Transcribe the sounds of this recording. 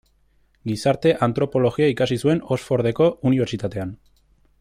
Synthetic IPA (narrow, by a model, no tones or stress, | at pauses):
ɡisaɾt̪e̞ʔant̪ɾo̞po̞lo̞ɣiaikasisue̞no̞sfo̞ɾð̞e̞ko̞uniβ̞eɾt͡ʃit̪at̪e̞an